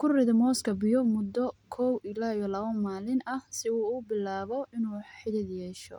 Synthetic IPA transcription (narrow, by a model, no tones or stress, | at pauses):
kʰʊrɪðɐmɔːskʰɐbɪjɔmʊd̪ɔkʰɔwɪlaːjɔlɐβɐmaːlɪnɐhsɪuːbɪlaːβɔɪnuːħɪðɪd̪jɛːʃɔ̰